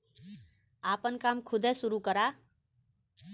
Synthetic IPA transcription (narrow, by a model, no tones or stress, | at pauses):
apənkamkʰud̪ʱesuɾukʌɾa